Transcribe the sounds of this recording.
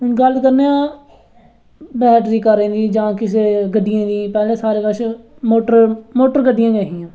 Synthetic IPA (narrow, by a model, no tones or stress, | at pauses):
ʊnɡəlkəɾneːãː | bɛːʈɾiːkəɾẽːd̪iːd͡ʒãːkɪseːɡəɖɪjãːd̪ĩːpɛːlẽːsaːɾeːbəʃ | moːʈəɾmoːʈəɾɡəɖɪjãːɡɛːɦiːãː